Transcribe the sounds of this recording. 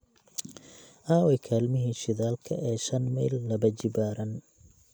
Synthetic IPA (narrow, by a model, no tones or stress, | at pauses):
ʔaːwɛkʰaːlmɪɦiːʃɪðaːlkʰɐ̰ʔɛːʃɐnmɛːlːɐβɐt͡ʃɪbaːɾɐn